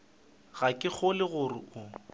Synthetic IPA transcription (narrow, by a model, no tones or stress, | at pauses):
ɣakʼɪk͡xʊlɪɣʊrɪ̰ʔʊ